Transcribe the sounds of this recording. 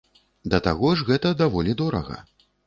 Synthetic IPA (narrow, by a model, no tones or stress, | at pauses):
d̪ɐt̪aɣɔʐɣɛt̪ɐd̪avɔlʲid̪ɔɾɐ̰ɣɐ̰